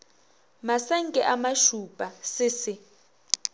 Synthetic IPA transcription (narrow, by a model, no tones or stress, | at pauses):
masɛŋ̩kʼɛʔamaʃupʼasɪsɪ